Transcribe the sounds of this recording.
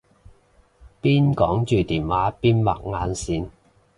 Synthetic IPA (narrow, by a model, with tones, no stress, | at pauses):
piː˥nkɔː˨˥ŋt͡ʃyː˨t̪iː˨˩nwaː˨˥piː˥nwa̰˨˩k̚ŋaː˨˧nsiː˨˥n